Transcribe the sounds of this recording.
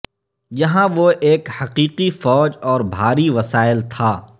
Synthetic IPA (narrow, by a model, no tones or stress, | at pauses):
jɐɦãʋoʔeːkhɐqiːqifɔːd͡ʒɔːɾbʱaːɾiʋɐsaːɪlt̪ʰaː